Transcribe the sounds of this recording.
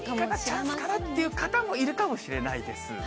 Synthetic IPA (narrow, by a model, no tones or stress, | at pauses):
kat̪aaɨ̥kanat̪ːe̞jɯ̟kat̪amo̞iɾɯ̟kamo̞ɕiɾe̞naid̪e̞sɨ̰